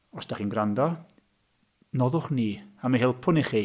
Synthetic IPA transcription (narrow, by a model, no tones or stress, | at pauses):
ɔsd̥aχiːnɡrandɔ | nɔðʊχniːamiɦɪlˠpʰʊnɪχi